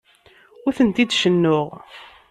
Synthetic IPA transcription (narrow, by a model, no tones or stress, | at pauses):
ʊθənt̪id̪ʃənːʊʁ